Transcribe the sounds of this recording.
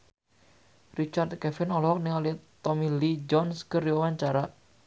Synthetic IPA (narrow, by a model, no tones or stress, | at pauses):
rit͡ʃart̪̚kɛfɪnɔlɔɦɔk̚niŋɔlɪt̪ɔmilid͡ʒɔnskəriawaɲt͡ʃaɾa